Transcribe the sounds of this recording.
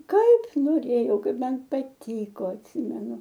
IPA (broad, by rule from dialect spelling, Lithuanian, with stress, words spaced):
ˈkɐɪp noːˈrʲeːjɛʊ ˈkɐɪp ˈmɐn pɐˈtʲiːkoː ɐtʲˈsʲɪmʲɛnʊ